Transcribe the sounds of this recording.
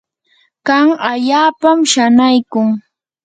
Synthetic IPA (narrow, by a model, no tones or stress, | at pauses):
kaŋaʎaːpamʃanajkʊŋ